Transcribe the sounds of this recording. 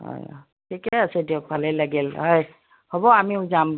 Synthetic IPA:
ɦɔ̰j | tʰikɛasɛdiɔk̚bʱalɛlaɡilɦɔj | hɔbɔamizam

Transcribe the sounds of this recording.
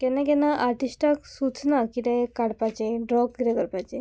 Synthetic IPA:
kɛnakɛnaʔaɾʈisʈaksut͡snakit̪ɛ̃kaɽpat͡ɕeɖɾɔɡɡɾɛkəɾpat͡ɕe

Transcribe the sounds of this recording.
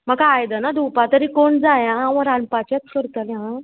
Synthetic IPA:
makaːjd̪ənad̪ʱupat̪əɾiːkoɳd͡zajãːʋə̃ɾanpat͡ɕjat̪kəɾk̪əleɦã

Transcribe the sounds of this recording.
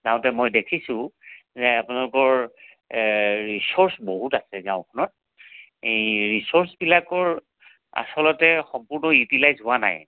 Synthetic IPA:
zaʊ̃tɛmojdekʰisʊ̃zɛapʊnalʊkɔɹ | ɹisɔɹsboɦutasɛzaʊ̃kʰɔnɔt̚ | eɹisɔɹsbilakɔɹ | a̰sɔlɔtɛxɔmpuɹnɔjutilajzɦʊwana̰j

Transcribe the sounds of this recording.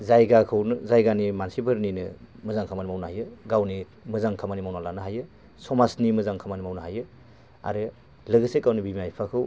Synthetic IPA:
zajɡakʰɯwnɯzajɡanimansibɯɾninɯmɯzaŋkʰamanimawnahajɯɡawni | mɯzaŋkʰamanimawnalanɯɦajɯ | sɔmasnimɯzaŋkʰamanimawnɯɦajɯ | a̰ɾɯ | lɯɡɯsekawnibimajpʰakʰɯw

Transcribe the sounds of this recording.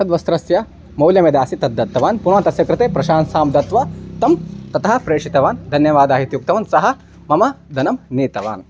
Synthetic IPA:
sɐd̪ʋɐst̪ɾɐsjɐ | mɐwljɐmed̪aːsit̪ɐd̪ːɐt̪ːɐʋaːnpunaːt̪ɐsjɐkɾɨt̪eːpɾɐʃaːnsaːmd̪ɐt̪ʋɐt̪ɐmt̪ɐt̪ɐɦɐ̆pɾeːʂit̪ɐʋaːnd̪ʱɐnjɐʋaːd̪aːɦit̪juk̚t̪ɐʋɐnsɐɦɐ̆ | mɐmɐd̪ʱɐnɐmniːt̪ɐʋa̰ːn

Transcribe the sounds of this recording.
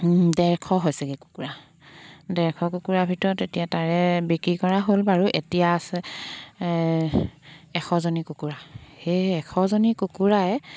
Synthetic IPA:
dɛɹkʰɔɦojsɛɡɛku̥kuɹa | dɛɹkʰɔkukuɹabʱitɔɹɔtetijataɹɛbekɹikɔɹaɦolbaɹuʔetijaːsɛ | ɛxʰɔzonikukuɹaheɛkʰɔzonikukuɹaɛ

